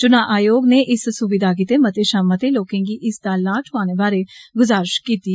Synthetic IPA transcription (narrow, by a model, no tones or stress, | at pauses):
t͡ʃʊnãːʔaːjoːɡneːʔɪssʊbɪd̪aːɡiːt̪eːmət̪eːʃaːmət̪eːloːkẽːɡiːʔɪsd̪aːlaːʈʰʊaːneːbaːɾeːɡʊzaːɾɪʃkiːt̪iː